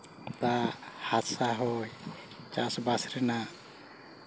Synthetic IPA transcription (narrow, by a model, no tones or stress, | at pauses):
t̪ahat̪saɦɔj | t͡ʃasbasɾɛna